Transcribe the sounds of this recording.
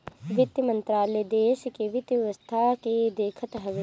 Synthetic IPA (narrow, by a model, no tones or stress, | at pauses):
ʋɪt̪jəmɐ̃nt̪ɾaːled̪eːʃkeʋɪt̪jʋəst̪ʰaked̪eːkʰət̪ɦɐʋ